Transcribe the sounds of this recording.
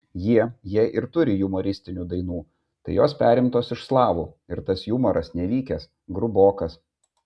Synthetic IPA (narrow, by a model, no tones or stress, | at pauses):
jiɛjiɛʔɪɾt̪ʊɾʲɪjʊmɔɾʲɪsʲt̪ʲɪnʲuːd̪ɐɪnuː | t̪ɐɪjoːspʲæːɾʲɪmt̪oːsɪʃslˠɑːʋuː | ɪɾt̪ɐsjumɔɾɐsnʲɛʋʲiːkʲɛs | ɡɾʊboːkɐs